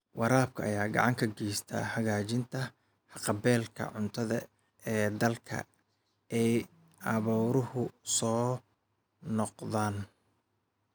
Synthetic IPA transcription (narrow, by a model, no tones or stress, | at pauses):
wɑɾaːb̚kʰɐɐjaːɡɑ̰ʕɑŋkʰɐɡɛjst̪ʰa̰ːhɐɣaːt͡ʃɪnt̪ʰɐ | hɑqɑbɛːlkʰɐ̰ʕʊnt̪ʰɐðɐ | ɛːd̪ɐlkʰɐ̰ | ɛj | ʔɑβɔːɾʊhʊsɔː | nɔqðaːn